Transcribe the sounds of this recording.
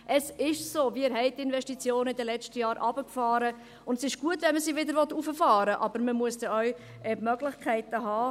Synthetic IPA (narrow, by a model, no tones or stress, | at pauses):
ʔəsɪʃsoːviɪɾɦɛɪt̚ːɪnvɛʃtit͡sjoːnəɪd̪əlɛt͡ʃtəjɑːɾʔɑb̥əkfɑːɾə | ʊndɛsɪʃɡ̥uətvɛnməsiːvɪdəɾvɔt̪ufəfɑːɾəʔɑbəɾməmuəsd̥ɛœw | ʔɛmœɡlɪçkʰχɛɪtəɦɑː